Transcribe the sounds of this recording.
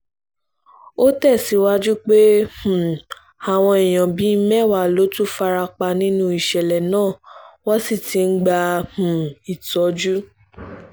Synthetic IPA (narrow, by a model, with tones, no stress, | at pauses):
o˦tɛ˦˨si˨˦wa˦d͡ʒu˦k͡pe˦h̩˨ | a˨w̃ɔ̃˧i˨j̃ã˨bi˨˦mɛ̃˦˨wa˦˨lo˨˦tu˦fa˧ɾa˧k͡pa˧nĩ˦nũ˦i˨ʃɛ˨lɛ˨nãː˦˨wɔ˦si˦˨ti˨˦n̩˦ɡ͡ba˧h̩˨i˨tɔ˨˦d͡ʒu˦